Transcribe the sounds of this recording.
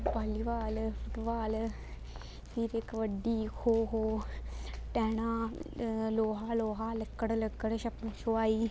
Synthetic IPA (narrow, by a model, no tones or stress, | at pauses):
paːliːʋaːlfət̪ʋaːl | siɾɪkʋəɖiːkʰoːɦoː | ʈɛːɳ̃ãː | loːɦaːloːɦaːləkːəɽləkːəɽʃɐpːt͡ʃʰoːaːiː